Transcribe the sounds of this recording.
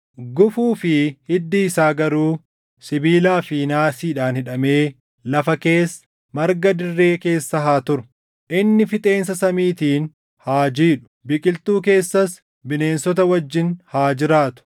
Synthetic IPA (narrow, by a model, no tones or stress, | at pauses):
ɡʊfuːfɪhɪd̪ːiːsaːɡɐɾuː | sɪbiːlaːfiːnaːsiːᶑaːnhɪᶑɐme̞ː | lɐfɐke̞ːs | mɐɾɡɐd̪ɪrːe̞ːke̞ːsːɐɦaːt̪ʊɾʊ̥ | ʔɪnːɪfɪt̪ʼe̞ːnsɐsɐmiːt̪iːn | haːd͡ʒiːᶑʊ̥bɪkʼɪlt̪uːk̬e̞ːsːɐs | bɪne̞ːnsɔt̪̬ɐwɐd͡ʒːɪnhaːd͡ʒɪɾaːt̪ʊ̥